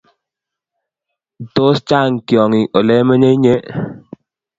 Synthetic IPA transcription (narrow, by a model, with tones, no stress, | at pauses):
to˦st͡ʃa˦˨ŋ˨kjɔ˨ŋi˨ʔɔ˨lɛ˦mə˦ɲe˦ɲe˦